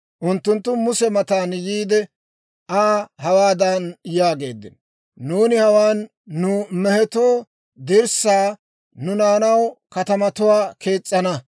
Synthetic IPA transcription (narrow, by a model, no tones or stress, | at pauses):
ʔʊnt̪ːʊnt̪ːʊmʊsɛmɐt̪aːnjiːd̪ɛ | aːhɐwaːd̪ɐnjaːɡe̞̰ːd̪ːɪ̰n | nuːnɪhɐwaːnː | ʊmɛhɛt̪oː | d̪ɪɾsaː | nʊnaːnɐwkɐt̪ɐmɐt̪ʊwaːkʰe̞ːt͡sʼːɐnɐ